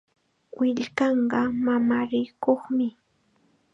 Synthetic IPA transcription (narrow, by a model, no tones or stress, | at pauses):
wɪʎkɑɴɢɑmamaɾɪkoχmɪ